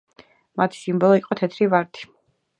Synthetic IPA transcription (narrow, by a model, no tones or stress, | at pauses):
mat̪ʰi̥simbɔlˠɔiqʼɔt̪ʰɛt̪ʰɾivaɾt̪ʰi̥